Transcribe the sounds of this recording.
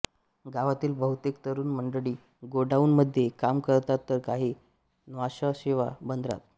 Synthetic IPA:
ɡaʋat̪iːlbəɦut̪ek̚t̪əɾuːnməɳɖəɽiː | ɡoɖauːnməd̪ʱːjekamkəɾt̪at̪ːəɾkaɦiː | nʋaɕəɕeʋa̰bənd̪ɾa̰t̪̚

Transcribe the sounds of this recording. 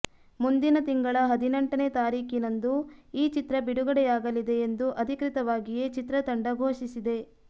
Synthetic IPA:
mund̪inɐt̪iŋɡɐɭɐɦɐd̪ʱinɐɳʈɐne̞ːt̪aːɾiːkinɐnd̪uiːt͡ʃit̪ɾɐbiɽuɡɐɽɛjaːɡɐlid̪e̞end̪uʔɐd̪ʱikɾit̪ɐʋaːɡije̞t͡ʃit̪ɾɐt̪ɐɳɖɐɡʱoːʃisid̪e̞

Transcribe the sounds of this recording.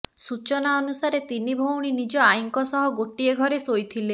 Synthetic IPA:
sut͡ʃɔnaɔnusaɾet̪inibʱowɽ̃inid͡ʒɔajŋkɔsɔɦɔɡoʈieɡʱɔɾesojt̪ʰile

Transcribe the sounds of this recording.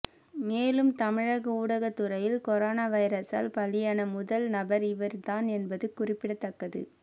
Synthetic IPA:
meːlɯmt̪ɐmɪɻɐɣɐuːɽɐɣɐt̪ːɯɾɐjɪlkɔɾoːnaːʋɐɪɾɐsa̰ːlpɐlɪjaːnɐmʊðɐlnɐbɐɾɪʋɐɾt̪aːnɛnbɐðɯkːʊrɪpːɪɽɐt̪ːɐkːɐðɯ̰

